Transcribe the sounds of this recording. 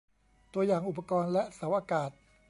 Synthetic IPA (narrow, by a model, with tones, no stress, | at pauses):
t̪u˧ɐjaː˨˩ŋʔu˨˩pːa˧kɔː˧nlɛ˦˥ʔsa˩˦wʔaː˧kaː˨˩t̪̚